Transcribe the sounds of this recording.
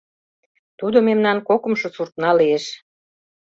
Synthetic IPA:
t̪ud̪omemnɑnkokə̆mʃŏsurt̪nɑlieʃ

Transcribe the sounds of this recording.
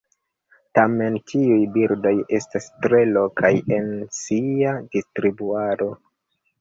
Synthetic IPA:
tame̞ntʰiujbiɾdo̞je̞stastɾe̞lo̞kʰaje̞nsiadistɾibuaɾo̞

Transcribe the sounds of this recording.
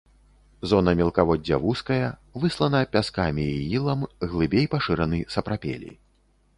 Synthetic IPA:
zɔn̪ɐmʲɛlˠkavɔdʲːɐvuskɐjɐvɨslˠɐnɐpʲaskamʲiːilˠɐmɣlˠɨbʲejpaʂɨɾɐnɨsɐpɾapʲḛlʲḭ

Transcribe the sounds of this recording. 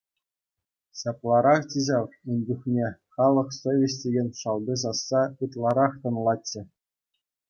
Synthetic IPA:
ɕɑplˠɑɾɑχt͡ɕiʑɑund͡ʑuχnʲeχɑlˠɤ̆χsovʲesʲtʲeɡʲenʲʂɑlˠbʲis̬ɑsːɑɯt̪lˠɑɾɑχt̪ɤ̆nlˠɑtːɘ̆

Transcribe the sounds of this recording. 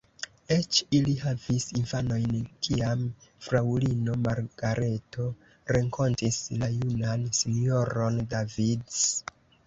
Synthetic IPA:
e̞t͡ʃilihavisinfano̞jnkʰiamfɾawlino̞maɾɡ̥aɾʔe̞tʰo̞ | ɾe̞ŋkʰo̞ntislajunansino̞ɾo̞ndavids

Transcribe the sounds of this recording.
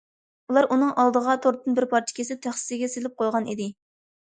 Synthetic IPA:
ulˠɑɾʔunɨŋʔɑlˠd̪əʁɑt̪ʰoɾt̪ɨnbɪɾpʰɑɾt͡ʃʰɪ̥kʲʰesɪt̪ʰæχsɨ̥sɪɡʲɛselɪp̚qʰojʁɑnid̪ɪ

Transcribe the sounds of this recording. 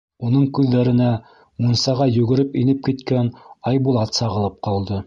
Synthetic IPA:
unɤɴkʉðːæɾɘ̆næ | munsɑʁɑjɵ̆ɡɘ̆ɾɘpinɘp̚kit̪kænɑjbulˠɑt̪sɑʁɤ̆lˠɤp̚qɑlˠd̪ɤ

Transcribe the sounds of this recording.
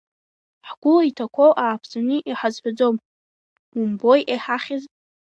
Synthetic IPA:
ħɡ̥ʷʊlitʰakʷʰowʔaːpʰsanɨʔiħazħʷᶣad͡zom | mumbojʔeħaχʲɪz

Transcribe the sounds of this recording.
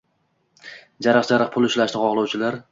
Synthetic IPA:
d͡ʒaɾɨqd͡ʒaɾɨq̚pʰʊlˠʊʃlaʃnɪqʰɒʁlˠɒwt͡ʃʰɪlaɾ

